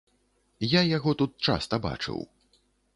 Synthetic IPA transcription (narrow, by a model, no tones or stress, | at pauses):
jajaɣɔt̪ut̪̚t͡ʂa̰st̪ɐba̰t͡ʂɨ̰w